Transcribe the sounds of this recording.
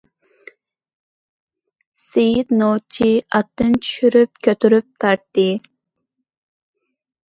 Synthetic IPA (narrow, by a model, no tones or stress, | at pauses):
sejit̪not͡ʃʰiʔɑt̪ːɨnt̪ʰy̥ʃyɾyp̚kʲʰøt̪ʰyɾyp̚t̪ʰɑɾt̪ːɨ